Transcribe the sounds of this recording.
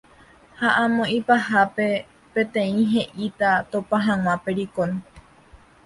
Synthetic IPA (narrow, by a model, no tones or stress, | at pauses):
haʔãmõʔipaɦape̞ | pẽ̞t̪ẽ̞ĩɦe̞ʔit̪at̪opãɦãw̃ãpe̞ɾikone